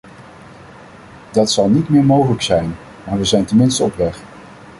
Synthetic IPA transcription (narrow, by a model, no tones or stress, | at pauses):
dɑtsɑlˠnitmɪːɹmowχələksɛjn | maːɹʋəzɛjntəmɪnstəɔpʋɛχ